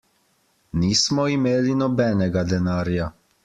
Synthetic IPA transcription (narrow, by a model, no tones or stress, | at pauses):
niːsmɔimeːlinɔbɛːnɛɡad̪ɛnaːɾja